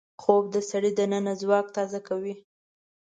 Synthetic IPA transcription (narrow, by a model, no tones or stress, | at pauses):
xob̚d̪əsaɽid̪ənənazwɑk̚t̪ɑzakawi